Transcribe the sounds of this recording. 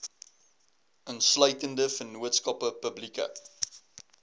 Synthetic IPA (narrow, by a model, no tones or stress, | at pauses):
ʔənsləjtəndəfənuətskɐpəpəblikə̰